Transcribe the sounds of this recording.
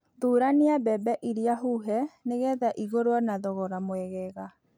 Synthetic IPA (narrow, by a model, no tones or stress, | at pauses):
ðuːɾaniabɛbɛʔiɾiaɦuɦɛneɣɛðaʔiɣoɾwanaðɔɣɔɾamwɛɣɛɣa